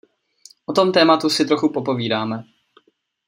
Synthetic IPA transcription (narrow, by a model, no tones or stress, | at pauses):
ʔot̪o̞mt̪ɛːmat̪usɪt̪ɾo̞xupo̞po̞viːdaːmɛ